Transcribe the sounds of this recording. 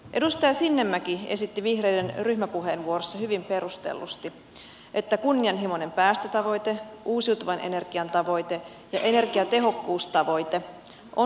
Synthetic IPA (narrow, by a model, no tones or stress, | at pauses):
ʔe̞dust̪ɑjɑsinːemːækiesit̪ːiʋihre̞idenryçmæpuɦeːnʋuorosːɑhyʋimpe̞ɾust̪ḛlːust̪i | ʔet̪ːækunːiɑnɦimo̞ne̞mpæːst̪øt̪ɑʋo̞jt̪eʔuːsiwt̪uʋɑnʔe̞̰ne̞rɡ̥iɑnt̪ɑʋo̞jt̪e̞ | jɑʔe̞ne̞rɡiɑt̪e̞ɦo̞kːuːst̪ɑʋo̞jt̪e̞ | ʔo